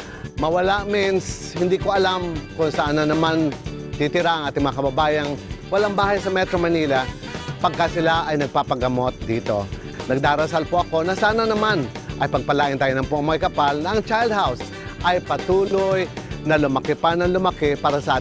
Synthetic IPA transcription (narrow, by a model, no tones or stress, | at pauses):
mɐwɐlaʔmɛnshɪnd̪ikoʔɐlamkʊŋsɐʔanɐnɐman | t̪it̪ɪɾaʔɐŋʔaːt̪ɪŋmɐŋakɐbɐbaːjɐŋwɐlaŋbaːhajsɐmɛt̪ɾomɐniːla | pɐɡ̚kasɪlaʔɐjnɐɡ̚papɐɡɐmo̞t̪̚d̪iːt̪o̞̰ | nɐɡ̚d̪aːɾɐsalpoʔɐko̞nɐsaːnɐnɐmanʔɐjpɐɡ̚pɐlaːʔɪnt̪aːjonɐŋpoʔmajkɐpalnɐʔɐŋt͡ʃajld̪̚haws | ʔɐjpɐt̪uːlojnɐlʊmɐkɪpanɐŋlʊmɐkɪpaːɾɐsɐʔaː